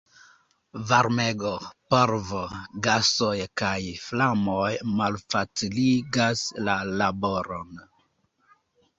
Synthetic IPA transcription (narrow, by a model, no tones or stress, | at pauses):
vaɾmeɡopoɾvoɡasojkajflamojmalfat͡siliɡaslalaboɾon